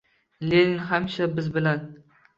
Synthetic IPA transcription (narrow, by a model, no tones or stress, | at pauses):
lenɪnɦamʃabɪzbɪlan